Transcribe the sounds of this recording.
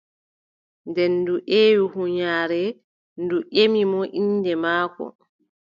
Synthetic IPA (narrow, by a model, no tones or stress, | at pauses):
ndɛnːduʔeːwuhuɲaːɾɛ | nduʔemimɔʔinːdɛmaːkɔ̰